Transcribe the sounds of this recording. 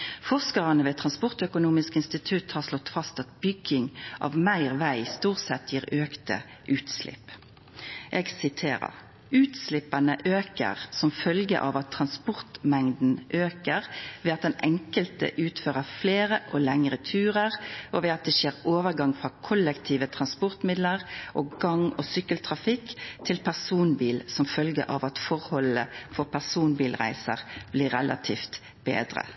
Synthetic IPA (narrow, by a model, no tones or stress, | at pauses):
fɔʁskɑʁɑnəʋeːt̪ʰʁɑnspɔʁt̪œkʊnuːmɪskɪnst̪ɪt̪ʰʉt̪hɑːʁʂlɔt̪ːfɑst̪ɑt̪̚bʏɡɪŋʔɑ̰ʋmæɪʁʋæɪst̪uːʁsɛt̪ːjiːʁøːkt̪ə̰ | ʔʉːt̪slɪ̰pː | ʔeːɡsɪt̪ʰeːɾə̰ʁ | ʉːt̪slɪpənəʔøːkə̰ʁsɔmfœlɡə̰ʔɑ̰ʋɑt̪ʰːʁɑnspɔʁt̪mɛŋd̪n̩ʔøːkəʁʋɛːɑt̪̚d̪ɛnʔɛŋkəlt̪ə̰ʔʉːt̪føːʁəfleːɾəʔɔlɛŋɾət̪ʰʉːɾəʁɔʋɛɑt̪̚d̪ɛʃeːɾoːʋəʁɡɑŋfɾɑkʰɔlːɛkt̪ʰiːʋət̪ʰɾɑnspɔɾt̪mɪd̪ləʁʔoːɡɑŋɔsʏkːəlt̪ʰɾɑfɪkːt̪ʰɪlpʰæʁsuːnbiːlsɔmfœlɡə̰ʔɑ̰ʋɑt̪fɔɾhɔləfɔɾpʰæʁsuːnbiːlʁæ̰ɪsəʁb̥lɪːʁɛlʔɑ̰t̪ʰiːft̪ | b̥ḛːd̪ɾə̰